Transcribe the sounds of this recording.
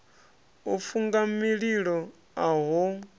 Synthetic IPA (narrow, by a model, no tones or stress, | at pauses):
ufuŋɡamiɺiɺɔ | aɦɔ